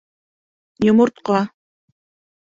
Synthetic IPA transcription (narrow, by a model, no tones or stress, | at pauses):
jomʊɾt̪qɑ